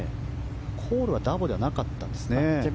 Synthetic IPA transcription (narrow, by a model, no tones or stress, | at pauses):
kʰo̞ːɾɯ̟βad̪abo̞d̪e̞βanakat̪ːãnd̪e̞sɨne